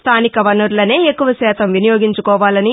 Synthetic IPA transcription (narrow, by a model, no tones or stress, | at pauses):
st̪ʰaːnikɐʋɐnuɾlɐne̞ːekːuʋɐsɛːt̪ɐmʋinɐjoːɡiɲt͡ʃukɔːʋaːlɐni